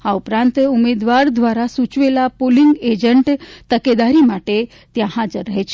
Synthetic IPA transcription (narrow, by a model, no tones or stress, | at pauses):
haupɾãnt̪umed̪ʋaɾd̪ʋaɾasut͡ɕʋelapoliŋɡed͡ʑəɳʈt̪əked̪aɾimaʈe | t̪jãɦad͡zəɾːəɦet͡ɕ